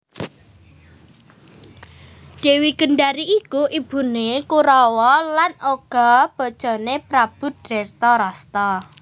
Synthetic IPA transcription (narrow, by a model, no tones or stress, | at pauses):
d̥e̤wiɡ̥ə̤ɳɖaɾiʔikuʔib̥ṳnekuɾɔwɔlanoɡ̥ɔ̤b̥ɔ̤d̥ʒ̥ɔ̤nepɾab̥ʊ̤t̪̚rɛrt̪ɔɾɔst̪ɔ